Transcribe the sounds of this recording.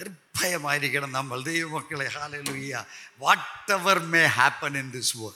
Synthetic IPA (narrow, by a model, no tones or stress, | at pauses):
ɪɾpʰːɐjɐmaːjɪɾikɪɽɐ̃mnɐmːɐld̪eʋɐmɐkːɐɭeɦaːleluːjaʋɔːʈːɛʋɐɾmeːɦæːpɐ̃nɪ̃nd̪ɪswɔː